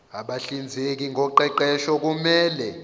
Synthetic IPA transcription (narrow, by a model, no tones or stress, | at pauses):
aɓaɬind͡zʱek̬iŋɡʱɔǃɛǃɛʃɔk̬ʼumɛːlɛ